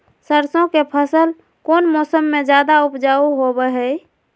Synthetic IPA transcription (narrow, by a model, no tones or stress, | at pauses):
səɾsõkepʰəsəl | koːnmɔːsəmːed͡ʒjaːd̪aʊpd͡ʒaːuɦobəɦɛ